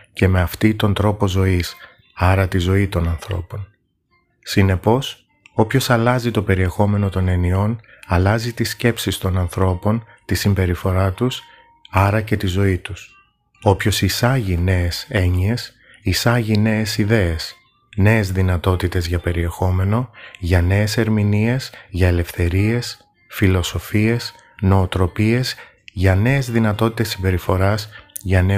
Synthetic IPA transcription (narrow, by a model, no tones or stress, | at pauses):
ce̞me̞ɐft̪it̪o̞nd̪ɾo̞po̞zo̞is | ɐɾɐt̪izo̞it̪o̞nɐnθɾo̞̰po̞n | sine̞po̞s | o̞pço̞sɐlɐzit̪o̞pe̞ɾie̞xo̞me̞no̞t̪o̞ne̞nio̞n | ɐlɐzit̪isce̞psist̪o̞nɐnθɾo̞po̞n | t̪isimbe̞ɾifo̞ɾɐt̪us | ɐɾɐce̞t̪izo̞it̪us | o̞pço̞sisɐʝine̞ese̞ɲie̞s | isɐʝine̞ːsiðe̞es | ne̞ezðinɐt̪o̞t̪it̪e̞zʝɐpe̞ɾie̞xo̞me̞no̞ʝɐne̞ːse̞ɾminie̞z̥ʝɐele̞fθe̞ɾie̞s | filo̞so̞fie̞s | no̞ːt̪ɾo̞pie̞z | ʝɐne̞ːzðinɐt̪o̞t̪i̥t̪esːimbe̞ɾifo̞ɾɐzʝɐne̞